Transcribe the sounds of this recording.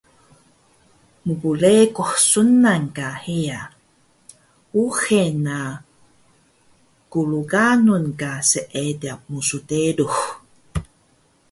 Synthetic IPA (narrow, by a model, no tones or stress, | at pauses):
mubulekuxsunankahea | uxena | kuluɡanunkasəʔedeap̚musutedux